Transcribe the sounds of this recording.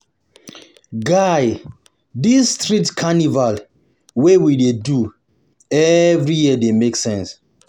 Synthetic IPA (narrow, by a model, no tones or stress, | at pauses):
ɡaj | disːtɹitkʰanival | wewidedu | ɛvɹijiədemeksɛ̃ns